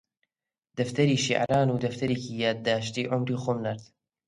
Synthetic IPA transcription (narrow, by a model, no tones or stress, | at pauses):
d̪̥ɐft̪ɐɾiːʃḭʕa̰ɾaːnuːd̪ɐft̪ʰɐɾeːkiːjaːd̪̚ːaːʃt̪iːʕʊmɾiːxomnɐɾt̪